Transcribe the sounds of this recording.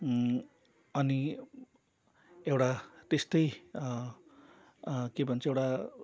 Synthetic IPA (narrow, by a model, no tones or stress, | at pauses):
ʌni | ewʈat̪est̪ʌj | kebʱʌnt͡sʰʌewɽa